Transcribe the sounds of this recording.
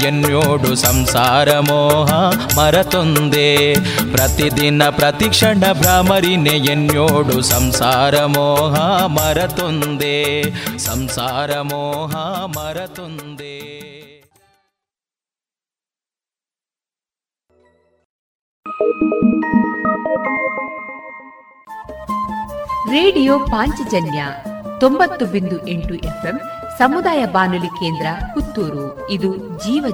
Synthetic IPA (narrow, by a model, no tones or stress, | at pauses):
enjoːɖusɐmsaːɾɐmɔːɦɐmɐɾɐt̪ond̪eːpɾɐt̪id̪inɐpɾɐt̪ikʂɐɳɐbɾaːmɐɾinejenjoːɽusɐmsaːɾɐmɔːɦɐmɐɾɐt̪ond̪eːsɐmsaːɾɐmɔːɦɐmɐɾɐt̪ond̪eː | ɾeːɽijoːpaːɲt͡ʃid͡ʒɐnjɐt̪o̞mbɐt̪ːubind̪uʔeɳʈuʔepʰemsɐmud̪aːjɐbaːnulike̞ːnd̪ɾɐkut̪ːuːɾu | id̪u | d͡ʒiːʋɐ